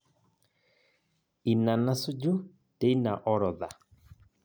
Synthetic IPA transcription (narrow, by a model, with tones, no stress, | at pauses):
i˨na˨na˦su˦d͡ʒu˦ | te˨˦i˦na˨ʔɔ˦ɾɔ˨ða˨